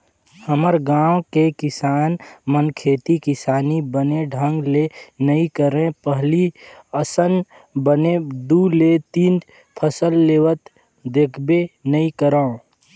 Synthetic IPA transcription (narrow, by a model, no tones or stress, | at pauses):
həməɾɡãːwkekɪsaːnmənkʰeːt̪ikɪsaːnibəneɖʱə̃ŋɡlenəĩkəɾẽpəɦliəsən | bəned̪uːlet̪iːn | pʰəsəlːeːʋət̪ | d̪eːkʰbenəĩkəɾaõ